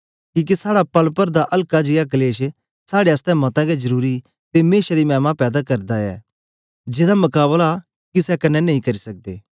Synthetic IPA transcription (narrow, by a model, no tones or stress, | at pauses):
kiːk̬isaːɽapɐlpəɾd̪aʔɐlkad͡ʒɪjak̬ɐleːʃ | saːɽeɐst̪ɛmɐt̪ãɡɛd͡ʒɐɾuːɾi | t̪emeːʃad̪imɛːmapɛːd̪akɐɾd̪aɛ̰ː | d͡ʒɪd̪amɐkaːβəlaː | kisɛkɐnːɛnɐɦĩkɐɾisɐk̚d̪ḛː